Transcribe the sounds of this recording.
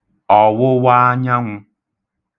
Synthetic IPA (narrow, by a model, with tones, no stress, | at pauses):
ɔ˨wʊ˦wa˦ɲa˦ŋʷʊ˦